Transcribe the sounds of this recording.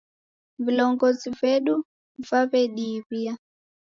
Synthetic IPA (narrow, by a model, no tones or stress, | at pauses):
vilɔŋɡɔzivɛɗu | vaβɛɗiβia